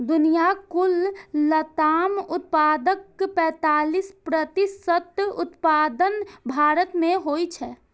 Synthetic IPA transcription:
d̪ʊnijakulːət̪aːmʊt̪̚paːd̪əkːpɛ̃ːt̪aːlispɾət̪isət̪ʊt̪paːd̪ənbʱaːɾət̪mẽɦoit͡ʃʰɛ

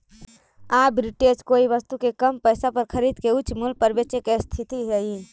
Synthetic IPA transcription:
aːbɾɪʈed͡ʒkoːiʋəst̪ukekəmpɛːsapəɾkʰəɾiːd̪keʊt͡ʃmʊlpəɾbet͡ʃekest̪ʰɪt̪iɦɛi

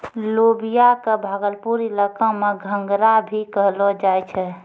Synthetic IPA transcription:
lobijakebʱaːɡəlpuɾiləkãmeɡʱə̃ŋɡɾabʱikəɦlɔd͡ʒajt͡ʃʰɛ

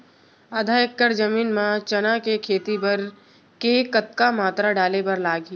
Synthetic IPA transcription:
ad̪ʱaːjəkːəɾd͡ʒɐmiːnmãt͡ʃɐnãkekʰeːt̪ibɐɾ | kekɐt̪kamaːt̪ɾaɖaːlebɐɾlaːɡi

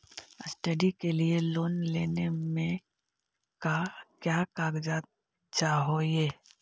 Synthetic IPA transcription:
sʈəɖikelieloːnleːnemẽ | kakjaːkaːɡd͡ʒaː | d͡ʒaɦojeː

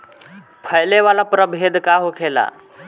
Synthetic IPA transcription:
pʰəjleʋalapɾəbʱed̪kaɦokʰela̰

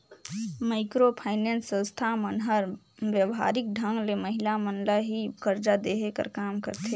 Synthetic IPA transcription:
maɪkɾopʰaɪnɛːnsːə̃nst̪ʰamənɦəɾ | ʋjəʋɦa̰ːɾɪk̚ɖʱə̃ŋɡleməɦilamənlaɦikəɾd͡ʒad̪eɦekə̰ɾkaːmkə̰ɾt̪ʰe

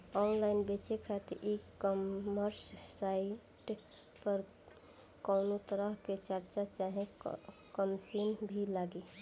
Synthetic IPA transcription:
ɔnlaɪnbet͡ʃekʰat̪ʔikməɾssaɪ | ʈ | pəɾ | kɔʊnot̪əɾəɦket͡ʃəɾt͡ʃat͡ʃaɦẽkəmsinbʱilaɡe

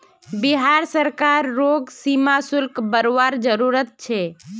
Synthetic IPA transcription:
biɦaɾsəɾkaɾːoɡsimasʊlkbəɾoʋaɾd͡ʒəɾuɾət̪̚t͡ʃʰe

